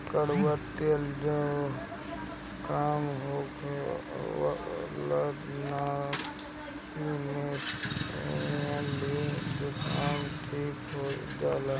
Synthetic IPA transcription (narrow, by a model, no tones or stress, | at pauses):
kəɽbət̪ːeld͡ʒo | kaːmɦoːk | lə | na | kime | alid͡ʒokaːmʈʰiːkɦod͡ʒaːla